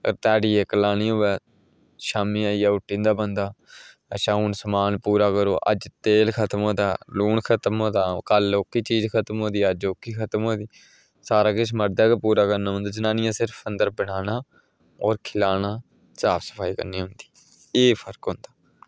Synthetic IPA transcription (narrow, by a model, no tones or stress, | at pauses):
ə̰ɾt̪ɛːɽiːɛːkəlaːñiːoːɛː | ʃaːmiːaːiːaːʊʈːĩːnd̪aːbənd̪aː | ʃaːuːnsəmaːnpuːɾaːkəɾoːʔə̰d͡ʒt̪eːlkʰət̪mõːt̪aːluːɳkʰət̪mõːt̪aːkəloːkːiːt͡ʃiːd͡ʒkʰət̪əmoːd̪iːəd͡ʒoːkːiːkʰət̪moːd̪iː | saːɾaːkɪt͡ʃʰməɾd̪aːkpuːɾaːkəɾnaːɦʊ̃nd̪aːd͡ʒənãːnɪjãːsɪɾfənd̪əɾbəɽ̃aːnaː | ɔːɾkʰɪlaːnaː | saːpsə̥pʰaːiːkə̰ɾniːɦʊ̃nd̪i̥ː | eːpʰəɾkɦʊ̃nd̪aː